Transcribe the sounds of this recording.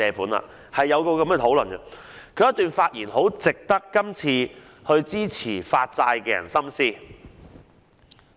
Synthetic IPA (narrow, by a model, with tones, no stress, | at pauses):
ɛː˧fuː˨˥na̰ː˧˨ | hɐ˨jːɐ˨˧wkɔː˧kɐ˨˦mkɛ˧t̪ʰo˨˥wlɵ˨˩nkɐ˧ | kʰɵ˨˧jɐ˥t̪ːyː˨nfaː˧t̚jiː˨˩nho˨˥wt͡sɪ˨k̚t̪ɐ˥kːɐ˥mt͡sʰiː˧ | hɵ˧ɥt͡siː˥t͡sʰiː˨˩faː˧t̚t͡saː˧jkɛː˧jɐ̰˨˩nsɐ˥msiː˥